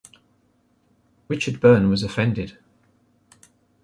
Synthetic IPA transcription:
ɹɪt͡ʃəd̚bɜːnwɒzəfɛ̃ndɪd̥

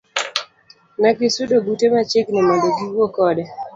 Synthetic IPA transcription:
nakɪsudoɡutemat͡ʃɪknɛmadoɡiwwokɔdɛ

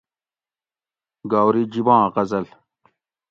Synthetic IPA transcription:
ɡaːwɾid͡ʑibãːqɐzɐl

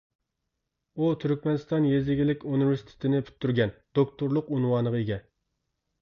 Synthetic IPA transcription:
ut̪ʰyɾkʲmɛnɨst̪ɑnjezɪɡʲilɪkʲunɪveɾsi̥t̪ʰɪ̥t̪ʰɪnɪpʰy̥t̪ʰːyɾɡʲɛnd̪̥okt̪uɾlˠʊqunwɑnəʁɑeɡʲɛ

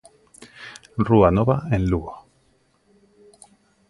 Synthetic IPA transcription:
ruanoβaẽnluɣo

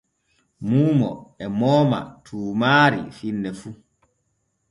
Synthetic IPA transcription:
muːmɔ̰ɛmɔːma̰tʰuːmaːɾḭfinːɛfu

